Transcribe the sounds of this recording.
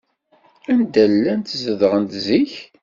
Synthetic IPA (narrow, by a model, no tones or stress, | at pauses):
ænd̪ælːænt̪zəðəʁənt̪ziç